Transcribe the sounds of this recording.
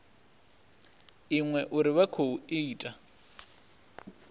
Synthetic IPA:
iŋwɛʔʊɾɪβakʰouɪːtʼa

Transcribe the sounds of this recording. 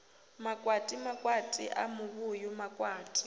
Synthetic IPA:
makʼwatʼimakʼwatʼḭʔa̰mʊβʊjʊmakʼwaːtʼi̥

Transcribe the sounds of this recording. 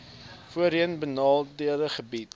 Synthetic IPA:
fuəɾiənbənɑːlˠdiərəχəbit

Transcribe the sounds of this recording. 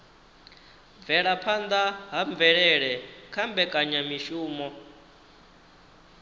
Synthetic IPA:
vɛɺapʰand̪aɦaɱvɛɺɛɺɛkʰambɛkʼaɲamiʃuːmɔ

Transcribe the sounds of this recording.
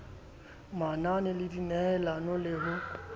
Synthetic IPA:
mananɛlɪdinɛlanɔlɪɦʊ

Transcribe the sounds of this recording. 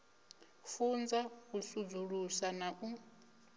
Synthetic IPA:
fund͡zakusud͡zuɺusanaʔu

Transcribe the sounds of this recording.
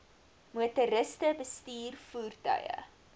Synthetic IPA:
muətəɾəstəbəstiːrfuːrtœ̰jə̰

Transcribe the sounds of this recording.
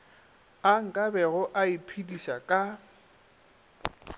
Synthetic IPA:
aŋ̩kʼabɛɣʊʔaipʰidiʃakʼa

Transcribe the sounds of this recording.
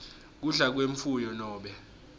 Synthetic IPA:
k̬uɮak̬weɱfujɔnɔːɓɛ

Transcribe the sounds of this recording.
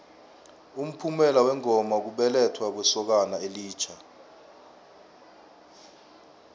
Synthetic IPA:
um̩pʰumɛlawɛŋɔmak̬uɓɛlɛtʰwak̬wɛsɔk̬anaeliːt͡ʃʰa

